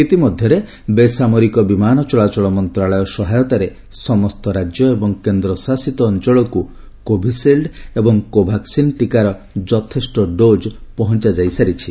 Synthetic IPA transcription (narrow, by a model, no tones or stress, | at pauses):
it̪imɔd̪ʱjɔɾe | besamɔɾikɔbimanɔt͡ʃɔɭat͡ʃɔɭɔmɔnt̪ɾaɭɔjɔsɔɦajɔt̪aɾe | sɔmɔst̪ɔɾad͡ʒjɔebɔŋkend̪ɾɔsasit̪ɔːnt͡ʃɔɭɔku | kobʱiselɖebɔŋkobʱaksinʈikaɾɔ | d͡ʒɔt̪ʰesʈɔɖod͡ʒpɔɦɔnt͡ʃad͡ʒajsaɾit͡ʃʰi